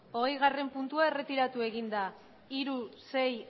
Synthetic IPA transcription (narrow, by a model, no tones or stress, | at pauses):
o̞ɣe̞jɣ̞are̞mpunt̪uae̞re̞t̪iɾat̪ue̞ɣind̪a | iɾuse̞j